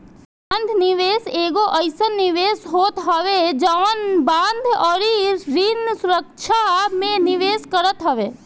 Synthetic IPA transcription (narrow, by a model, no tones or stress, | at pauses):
ãnd̪ʱniʋeːseːɡoʔəɪsənːiʋeːsɦoːt̪ɦəʋed͡ʒəʋənbãːnd̪ʱɔːɾiɾinsʊɾəkt͡ʃʰamẽniʋeːskəɾət̪ɦəʋeː